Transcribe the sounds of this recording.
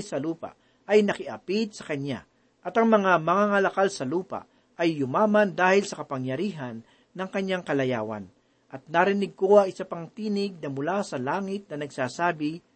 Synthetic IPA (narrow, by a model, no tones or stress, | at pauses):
sɐluːpa̰ʔ | ʔɐjnɐkɪʔɐ̰pit̪̚sɐkɐɲa̰ | ʔɐt̪ɐŋmɐŋamɐŋaŋɐlɐkalsɐluːpa̰ʔ | ʔɐjːʊmaːmɐnd̪aːhɪlsɐkɐpɐŋjɐɾiːɦɐnː | ɐŋkɐɲjaŋkɐlɐja̰ːwɐ̰n | ʔɐt̪̚naɾɪnɪɡ̚ko̞ɐŋɪsapɐŋt̪iːnɪɡ̚nɐmʊlasɐlaːŋɪt̪̚nɐnɐɡsaːsaːbɪ